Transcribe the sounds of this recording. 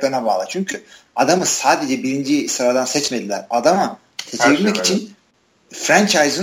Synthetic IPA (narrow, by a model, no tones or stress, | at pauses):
lˠanabaːlˠat͡ʃʰyɲcʰy | ad̪amɯsaːd̪e̞d͡ʒɛbiɾind͡ʒisɯɾad̪ansɛt͡ʃme̞d̪ilʲæ̰ɾad̪ama | t̪ʰecʰeβilʲmɛkit͡ʃʰin | fɾænt͡ʃʰajzɯ